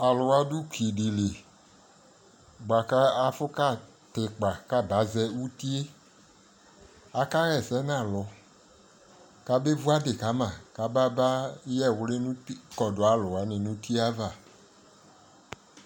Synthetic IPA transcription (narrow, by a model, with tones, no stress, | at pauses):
a˨lo˨wa˦du˦ki˨ɖi˨le˨ | ɡ͡ba˨ka˦a˦fo˦ka˦˨ | t̪e˨k͡pa˨ka˦ba˨˦zɛ˦wu˦t̪i˦e˦ | a˨ka˦ɣɛ˨sɛ˦nã˦˨lɔ˨ | ka˦be˦vu˦a˦de˨ka˨˦mã˨ka˨ba˦ba˦jɛ˦wle˦nũ˦kɔ˨do˨a˨˦lo˨a˨˦nɪ̃˨nũ˦t̪i˦a˦va˨